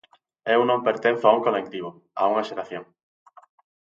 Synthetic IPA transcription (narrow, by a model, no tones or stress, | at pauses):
ɛunõmpeɾt̪ẽn̟θoauŋkolek̚t̪iβ̞o | a̰uŋaʃeɾaθjoŋ